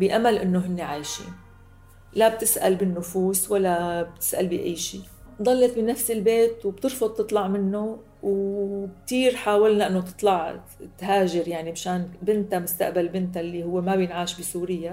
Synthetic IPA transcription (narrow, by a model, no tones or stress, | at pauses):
bɪʔamalʔɪnːoɦɪnːeʕaːʃḭ | lab̚t̪ɪsʔa̰lbɪnːʊfuːswalːab̚t̪ɪ̥sʔalbiʔa̰jːʃiː | d̪ˤɑlːet̪̚binafsɪlbeːt̪wb̚t̪ɨɾfʊd̪̚ˤt̪ːɨt̪ˤlɑʕmɪnːo | wk̚t̪iːɾħaːwalnaʔɪnːot̪ɨ̥t̪ˤlɑʕ | t̪ɦaːʒɪɾjaʕnimɪʃaːnbɪnt̪amʊst̪a̰ʔbalbɪnt̪alːihʊwːemabjɪnʕaːʃbisuːɾɪjːa